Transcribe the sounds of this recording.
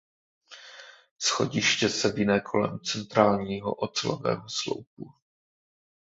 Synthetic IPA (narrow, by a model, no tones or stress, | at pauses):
sxo̞̰ɟɪʃcɛsɛvɪnɛːkʰo̞lɛ̰mt͡sɛnt̪ɾaːlɲiːɦoʔot͡sɛlo̰vɛ̰ːɦoslo̰wp̚u